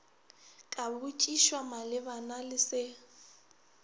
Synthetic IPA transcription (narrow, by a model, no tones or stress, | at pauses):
kʼabut͡ʃʼiʃwamalɪβanalɪsɪ